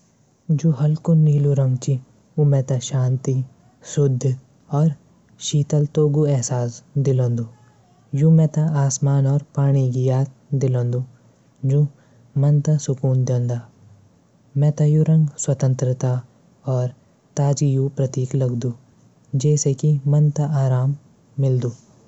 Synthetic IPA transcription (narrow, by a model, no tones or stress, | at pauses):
d͡ʒũːɦɐlkuniːluɾɐ̃ŋɡt͡ʃi | umɛ̃ːt̪aʃaːnt̪i | sʊd̪ʱː | ɔːɾ | ʃiːt̪əlt̪oːɡuɛɦsaːsd̪ɪlõːnd̪u | jũːmɛ̃t̪aaːsmaːnɔːɾpaːɽ̃iɡijaːt̪̚d̪ɪlõːnd̪ũ | d͡ʒũː | mɐ̃nt̪asʊkuːnd̪jõːnd̪aː | mɛ̃ːt̪ajuɾɐ̃ŋɡswɐt̪ə̃nt̪ɾət̪a | ɔːɾ | t̪aːd͡ʒijũpɾɐt̪iːklɐɡd̪ũː | d͡ʒɛːsekimɐnt̪aʔaːɾaːmː | ɪld̪uː